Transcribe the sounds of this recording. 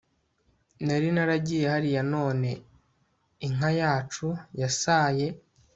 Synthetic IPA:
neɾinaɾaɟije̞haɾijano̞ːne̞ | iŋ̥ajaːt͡ʃujasaːje̞

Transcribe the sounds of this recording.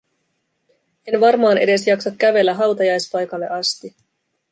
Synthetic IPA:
e̞nʋɑrmɑːnʔe̞̰de̞sjɑksɑkkæʋe̞lːæɦɑwt̪ɑjɑjspɑjkɑlːe̞ʔɑst̪i

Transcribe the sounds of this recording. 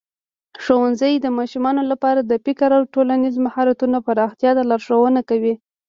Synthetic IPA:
ʂowanzəjd̪əmɑʃumɑnolapɑɾad̪əpikaɾawʈolanizmahɑɾat̪unapaɾɑxt̪jɑd̪alaɾʂowənakawi

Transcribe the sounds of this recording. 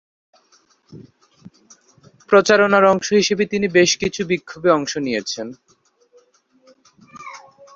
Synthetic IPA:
pɾot͡ɕaɾonaɾɔŋʃoɦiʃebet̪inibeʃkit͡ɕʰubikʰːobeɔŋʃonijet͡ɕʰen

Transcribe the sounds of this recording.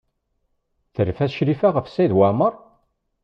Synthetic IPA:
θəɾfæsʃɾifæʁəfsæjðwaʕməɾˤ

